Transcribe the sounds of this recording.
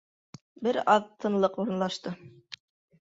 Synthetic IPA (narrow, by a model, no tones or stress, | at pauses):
bɘɾɑðt̪ʰːɤ̆nlˠɤquɾɤ̆nlˠɑʃt̪ɤ